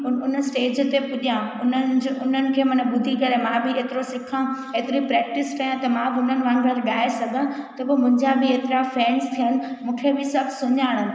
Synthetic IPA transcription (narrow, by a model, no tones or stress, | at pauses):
ʊʊnəsʈeːd͡ʑt̪epʊɗijãʊnənd͡ʑʊn̤ənɪ̆kʰeːmɐnə̃ɓʊd̪ʱikɐɾemãbʱɪeːt̪ɪɾosɪkʰã | eːt̪ɪɾipɾɛːk̚ʈɪskɐjãt̪ɐmãʊn̤ənɪ̆ʋãːɳəɾɓaːesɐɡʱə̃t̪ɐbomʊ̃ɪ̃ɲd͡ʑabʱɪeːt̪ɪɾafɛːnst̪ʰijənɪ̆mũːkʰebɪsɐbʱɪsʊɲaːɽ̃ə̃